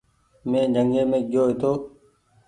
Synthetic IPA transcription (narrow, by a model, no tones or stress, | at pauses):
mẽːd͡ʒʱəŋɡẽːmẽːɡjoːɦet̪oː